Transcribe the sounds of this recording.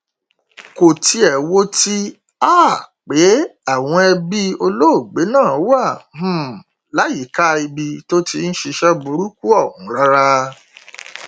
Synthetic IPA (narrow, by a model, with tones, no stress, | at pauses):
ko˨ti˧˦ɛ˨wo˦ti˦ | aː˦˨k͡pe˨˦a˦˨w̃ɔ̃˧ɛ˧bi˦o˧lo˦o˦˨ɡ͡be˨˦nãː˦˨˦wa˦˨m̩̃˦ | la˨˦ji˨˦ka˦i˧bi˧to˦ti˧n̩˦ʃi˧ʃɛ˦bu˧ɾu˦ku˦ɔ˦˨hũ˨˦ɾa˦ɾa˧